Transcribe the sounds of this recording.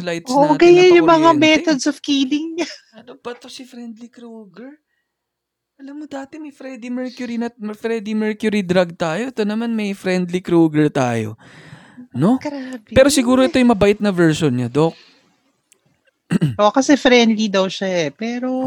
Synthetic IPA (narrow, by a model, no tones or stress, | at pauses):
lajt̪soːʔoɡɐjanjʊmɐŋamɛt̪od̪sɔfkiːlɪŋɲaʔɐlobɐt̪osɪfɾɛnd̪likɾoɡɛɹ | ʔɐlɐmːod̪aːt̪ɛmɐjfɾɛd̪imɛɹkjʊɾinɐmfɾɛd̪imɛɹkjʊɾid̪ɾaɡ̚t̪aːjoʔɛt̪o̞nɐmanmɐjfɾɛnd̪likɾoːɡɛɹt̪a̰ːjo̰ | no̞ɡɾabɛːɾosɪɡuːɾoʔɛt̪o̞jʊŋmɐbaʔɪt̪̚nɐvɛɹʃonɲad̪ok̚ | okɐsɛfɾɛnd̪lid̪ɐwʃaɛpɛːɾo